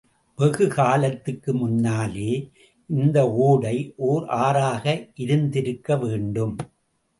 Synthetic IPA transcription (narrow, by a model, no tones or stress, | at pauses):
bɛɣɯɣaːlɐt̪ːɯkːɯmʊnːaːleː | ʔɪnd̪ɐoːɽɐɪʔoːɾaːɾaːɣɐʔɪɾɯnd̪ɪɾɯkːɐʋeːɳɖɯm